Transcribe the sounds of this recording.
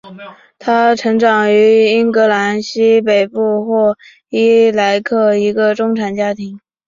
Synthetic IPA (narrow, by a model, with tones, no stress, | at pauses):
t̪ʰa˥ʈ͡ʂʰɤ˧˥ŋʈ͡ʂɑ˨˩ŋy˧˥i˥nkɤ˧˥la˧˥nɕi˥pe˨˩ɪpu˥˩xwɔ˥˩ | i˥la˧˥ɪkʰɤ˥˩i˧˥ɡə˧ʈ͡ʂʊ˥ŋʈ͡ʂʰa˨˩nt͡ɕja˥t̪ʰi˧˥ŋ